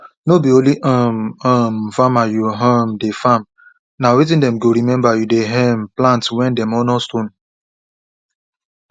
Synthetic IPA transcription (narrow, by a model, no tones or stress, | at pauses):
nobioliʔɔmam̩famajuɦamdefam | nawit̬ĩndɛm̩ɡoɾimɛ̃mbajudeɦɛm̩plãntwɛ̃ndɛmɔnɔstun